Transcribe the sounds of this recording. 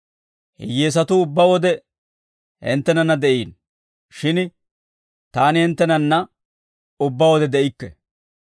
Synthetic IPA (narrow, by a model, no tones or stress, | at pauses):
hɪ̰jːeːs̬ɐt̪ʊʊbːɐwɔd̪ɛ | hɪ̰nt̪ːɛnɐnːɐd̪ɛʔiːn | ʃɪn | t̪aːnɪhɪnt̪ːɛnɐnːɐ | ʊbːɐwɔd̪ɛd̪ɛʔɪkːɛ